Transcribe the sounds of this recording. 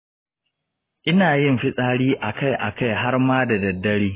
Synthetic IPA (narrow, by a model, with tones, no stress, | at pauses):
ʔɪ˦naː˨jɪ˦˨mɸɪ˦sʼaː˦ɽiː˦ʔa˨ka˦˨jʔa˨ka˦˨jɦa˦rmaː˦da˨dɐ˨dːɐ˦ɽiː˦